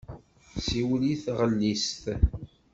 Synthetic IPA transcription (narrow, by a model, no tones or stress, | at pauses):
siwliθʁəlːist̪